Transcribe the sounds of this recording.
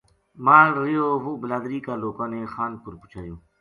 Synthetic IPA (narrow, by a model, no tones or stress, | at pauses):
mãːɾɪjoːɦuːbəlaːd̪ɾiːkaːloːkãːnẽːxaːnpʊɾpʊ̥t͡ʃʰaːjoː